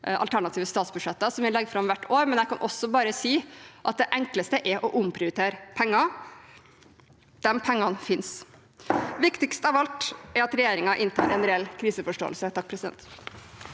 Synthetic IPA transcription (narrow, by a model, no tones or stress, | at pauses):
ʔɑ̰lt̪ʰæɳɑt̪iːʋəst̪ɑːt̪sbʉ̥ʂɛt̪ːəsɔmʋɪlɛɡfɾɑmʋæʈːʰoːɾmɛnjæɛkʰɑnʔɔsːɔbɑːɾəsiːʔɑt̪̚d̪ɛʔɛŋkləst̪əʔɛɾʔɔʔʊmpʰɾɪʊɾɪt̪ʰeːɾpʰɛŋːɑ | d̪̥ɛmpʰɛŋːɑnfɪns | ʋɪkt̪ɪkst̪ɑʋɑlt̪ɛɾɑt̪ɾɛjeːɾɪŋɑʔɪnt̪ʰɑ̰ːɾɛnɾɛlkʰɾiːsəfɔʂʈo̰ːəlsət̪ʰɑk̚ːpʰɾɛsɪd̪ɛ̰nt̪